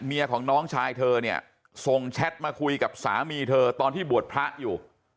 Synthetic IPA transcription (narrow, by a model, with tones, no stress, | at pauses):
ni˧ɐkʰɔː˩˦ŋnɔː˦˥ŋt͡ɕʰaː˧jt̪ʰɤː˧ni˥˩ɐ | so˨˩ŋt͡ɕʰɛ˦˥t̪̚maː˧kʰu˧jka˨˩p̚sa̰ː˩˦miː˧t̪ʰɤː˧t̪ɔː˧nt̪ʰiː˥˩bu˨˩ət̪̚pʰɾa˦˥ʔjuː˨˩